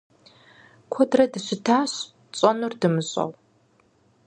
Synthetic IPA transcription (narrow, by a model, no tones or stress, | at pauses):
kʷʰɔdrɐdɨɕɪtʰaːɕ | t͡sʼɐnurdɨmɨɕʼɐ̰w